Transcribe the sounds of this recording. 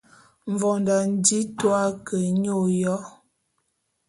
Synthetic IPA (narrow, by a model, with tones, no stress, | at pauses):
ɱ˨vɔ˨nda˨n˦di˦twa˦kə˨ɲo˦˨jɔ˦